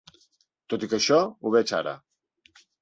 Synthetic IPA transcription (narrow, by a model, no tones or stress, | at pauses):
t̪ot̪ikəʃɔuβɛt͡ʃa̰ɾə̰